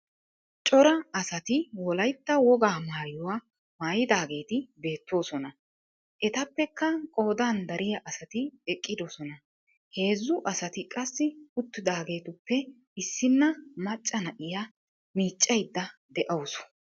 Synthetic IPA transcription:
t͡ʃʼɔɾɐɐsɐt̪ɪwɔlɐjt̪ːɐwɔɡaːmaːjʊwa | maːjɪd̪aːɡe̞ːt̪ɪbe̞ːt̪ːo̞ːsɔnɐ | ʔɛt̪ɐpːɛkːɐkʼo̞ːd̪aːnd̪ɐɾʔɪjɐʔɐsɐt̪ɪɛkʼːɪd̪ɔsɔnɐ | he̞ːzːʊʔɐsɐt̪ɪkʼɐsːɪʊt̪ːɪd̪aːɡe̞ːt̪ʊpːɛ | ɪsːɪnːɐmɐt͡ʃʼːɐnɐʔɪja | miːt͡ʃʼːɐjd̪ːɐd̪ɛʔɐwsɔ̥

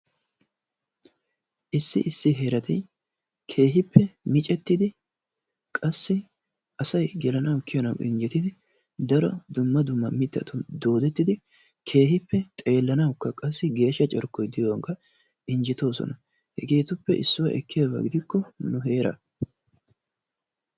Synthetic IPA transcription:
ʔɪsːɪ̰ʔɪsːɪɦeːɾɐt̪ɪ | kʰe̞ːɦɪpʰːɛmɪt͡ʃʼɛt̪ːɪd̪ɪ | kʼɐsːɪ | ɐsɐjɡɛlɐnɐwkːɪjɐnɐwʔɪ̰nd͡ʒɪt̪ːɪd̪ɪ | d̪ɐɾɔd̪ʊmːɐd̪ʊmːɐmɪt̪ːɐ̰t̪ʊnd̪o̞ːd̪ɛt̪ːɪd̪ɪ | kʰe̞ːɦɪpːɛt̪ʼe̞ːlːɐnɐwkːɐkʼɐsːɪɡe̞ːʃːɐt͡ʃʼɛɾkːɔjd̪ɪjɔwɐŋkɐ | ɪnd͡ʒɪt̪o̞ːsɔ̰nɐ | hɛɡeːt̪ʊpːɛʔɪsːʊwɐ̰ʔɛkːɪjabɐ̰ɡɪd̪ɪkːɔnʊɦe̞ːɾɐ̰

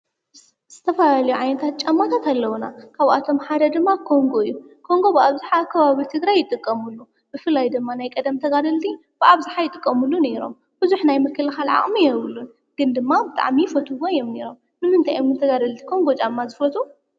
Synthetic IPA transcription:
z̥ɨt̪ʰɐfɐlalɐjuʕajnɐt̪ʰat̪̚t͡ʃʼamːat̪ʰat̪alːɐwuna̰kʰaβʔa̰t̪ʰo̞mħad̪ɐd̪ɨmːakʰo̞ŋɡo̞ɨjːukʰo̞ŋɡo̞bɨaβzaħakʰɐβaβit̪ʰɨɡɾajːɪt̪ʼɨkʼːɐmulːu | b̥ɨfɨlːajd̪ɨmːanajkʼɐd̪ɐmt̪ʰɐɡad̪ɐlt̪ʰi | b̥ɨʔaβzaħajɪt̪ʼɨkʼːɐmulːune̞ɾo̞̰m | bɨzuħnajmɨkʰːɨlɨxalʕa̰χʼmijɛβɨlːun | ɡ̥ɨnd̪ɨmːabɨt̪ʼa̰ʕmifɐt̪ʰuwojːomne̞ɾo̞m | mɨnɨnt̪ʰajommɨnt̪ʰɐɡad̪ɐlt̪ʰi̥kʰo̞ŋɡo̞t͡ʃʼamːazɨfɐt̪ʰʼu

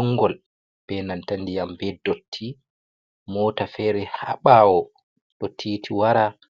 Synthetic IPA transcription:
ɔŋːɡɔl | b̥ɛnantandijambɛdotʰːi | mɔːtafɛɾɛha̰ɓawɔ | ɗɔtʰiːtʰiwaɾa

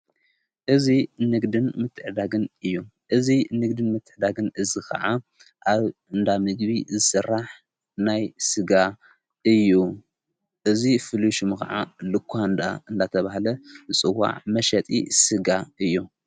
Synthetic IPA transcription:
ʔɨzinɨɡd̪ɨnmɨt̪ʰːɨʕd̪aɡɨnɨjːuʔɨzinɨɡd̪ɨnmɨt̪ʰːɨʕd̪aɡɨnʔɨzikʰɐ̰ʕa | ʔaβɨnd̪amɨɡβizɨsɨrːaħ | najsɨɡa | ʔɨjːu | ʔɨzifɨluʃumkʰɐʕa̰lɨkʰʷːaɨnd̪a̰ɨnd̪at̪ʰɐβahlɐzɨt͡sʼɨwːa̰ʕmɐʃɐt̪ʼḭsɨɡaɨjːu

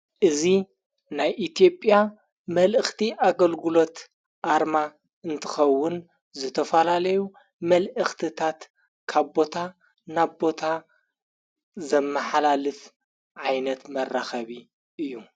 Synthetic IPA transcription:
ʔɨzi | najʔit̪ijo̞pʼja | mɐlʔɨxt̪ʰiʔaɡɐlɡɨlo̞t̪ | ʔaɾma | ɨnt̪ʰɨxɐwːʊn | zɨt̪ʰɐfɐlalɐju | mɐlʔɨxt̪ʰɨt̪ʰat̪ | kʰaβbo̞t̪ʰa | naβbo̞t̪ʰa | zɐmːɐħalalɨf | ʕajnɐt̪mɐrːaxɐβi | ʔɨjːu

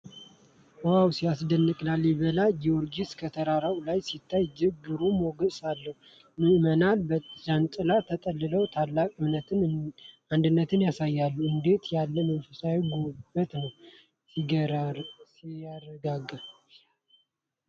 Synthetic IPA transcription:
wawsijasd̪ənːɨkʼlaljɛβəlajiwɔɾɡiskʰət̪ʰəɾaɾawlajsit̪ʰːajd͡ʒɨɡɨɾumoɡəsalːəhu | mɨʔmənalbəzant͡ʃʼɨlat̪ʰət̪ʼəlːɨləwt̪ʰalːakʼɨmnət̪ɨn | and̪ɨnːət̪ʰɨnjasajːalːuɨnd̪e̞t̪jalːəmənfɨsawiɡobət̪nəw | si | iaɾəɡaɡə

